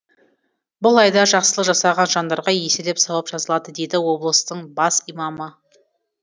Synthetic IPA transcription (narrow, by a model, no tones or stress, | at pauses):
bʊlˠɑjd̪ɑʒɑqsəlˠəqʒɑsɑʁɑnʒɑnd̪ɑɾʁɑjesɪd̪e̞psɑwɑpʒ̥ɑzəlˠɑd̪əd̪e̞d̪ɪwo̞blˠəst̪əɴbɑsijmɑmə